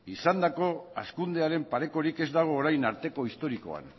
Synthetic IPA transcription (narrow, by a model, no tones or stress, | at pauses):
isand̪ako̞a̰skund̪e̞aɾe̞mpaɾe̞ko̞ɾike̞zd̪aɣ̞o̞ːɾajnaɾt̪e̞ko̞ist̪o̞ɾiko̞̰a̰n